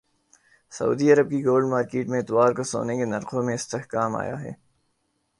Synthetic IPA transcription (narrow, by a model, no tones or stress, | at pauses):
sɐ̰ṵːd̪iɐɾəb̚kiɡoːlɖmaːɾkeːʈmẽɪt̪waːɾkoso̰ːnekenɐɾqõmẽɪst̪eɦkaːma̰ːja̰ɦɛ̰ː